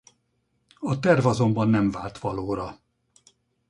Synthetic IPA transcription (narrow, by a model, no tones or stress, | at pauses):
ɒt̪ɛrvɒzo̞mbɒnːɛɱvaːlt̪ʋɒloːɾɒ